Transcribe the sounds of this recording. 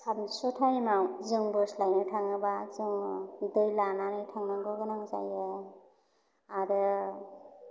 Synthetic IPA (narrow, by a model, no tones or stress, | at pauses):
samsutʰajmawzɯŋbɯslajnɯtʰaŋɯbazɯŋdɯjlananɯjtʰaŋnaŋɡɯɡɯnaŋza̰jɯ | aɾɯ